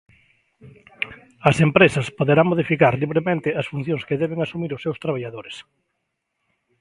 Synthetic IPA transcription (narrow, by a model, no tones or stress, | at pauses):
ɐsempɾesɐspoðeɾaŋmoðifikaɾliβ̞ɾemẽnt̪ɪɐsfun̟θjoŋskeðɛβeŋasumiɾʊsːewst̪ɾaβ̞aʎaðoɾes